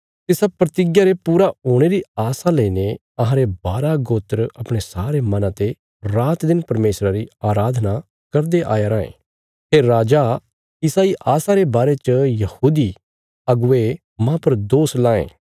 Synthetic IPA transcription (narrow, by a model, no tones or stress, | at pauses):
t̪ɪsapɾɐt̪ɪɡjaɾepuːɾaɦoːɽ̃eɾiaːsaleine | ɐɦãɾebaːɾaɡoːt̪əɾɐpɽ̃esaːɾemɐnãt̪e | ɾaːt̪d̪ɪnpɐɾmeːsɾaɾiaːɾaːd̪ʱna | kɐɾd̪eʔa̰ːjaɾãːḛ̃ː | ɦeːɾaːd͡ʒa | ɪsaiʔaːsaɾebaːɾet͡ʃəjɐhuːd̪i | ɐɡʊe | mãpɐɾd̪oːslaːḛ̃ː